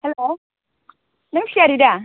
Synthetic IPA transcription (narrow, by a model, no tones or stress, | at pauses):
hɛlo | naŋsiaɾida